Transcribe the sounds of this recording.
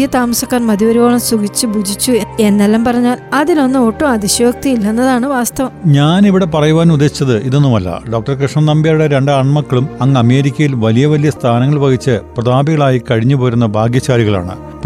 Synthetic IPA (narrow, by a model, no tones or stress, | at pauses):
jɐt̪aːmɐsɐkːaːrmɐd̪iʋɐɾiɣoːɭɐmsuɡit͡ɕːubʱud͡ʑʱit͡ɕːuee̞nːelːɐmpɐrɐɲːaːlɐðilo̞nːɨoːʈːumɐðiɕoːk̚t̪ijilːenːɐðaːɳɨʋaːst̪ɐʋɐmɲaːniʋiɽe̞pɐrɐjuʋaːnud̪ːeit͡ɕːɐðɨʔiðo̞nːumɐlːɐ̰ɖo̞ːk̚ʈɐrkriʂɳɐnɐmbjaːjuɽeɾe̞ɳɖɐɳmɐkːɐɭumɐŋːɐme̞ːɾikʲːɐjilʋɐlijɐʋɐlijɐst̪ʰaːnɐŋːɐɭʋɐɡit͡ɕːɨprɐd̪aːbiɣɐɭaːjikɐɻiɲːupo̞ːɾunːɐbʱaːɡjɐt͡ɕːaːɾiɣɐɭa̰ːɳɨ̰